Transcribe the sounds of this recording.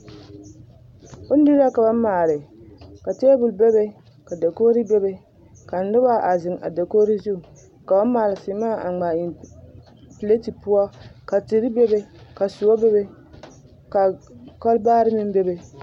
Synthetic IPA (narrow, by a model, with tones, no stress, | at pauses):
ʊ˦n˦di˦ɾa˦ka˨ba˦maː˨lɪ˨ka˨teː˦bʊ˨lbe˦be˦ | ka˨da˨koː˦ɾi˦bɛ˦be˦ | ka˨n̩˦dʊ˦ba˦ʔa˨zɪ˨ŋa̰˨da˨koː˦ɾi˦zu˦˨ | ka˨ba˦maː˨lɪ˨sɪ˨˦maː˦˨a˨ŋ͡ma˨i˨n | ple˦ti˨pʊ˦ɔ˦ka˨ti˨ɾi˦bɛ˦be˦ka˨su˨o˦be˦be˦ | ka˨kɔ˦lbaː˦ɾɪ˦mɪ˦m˦be˦be˨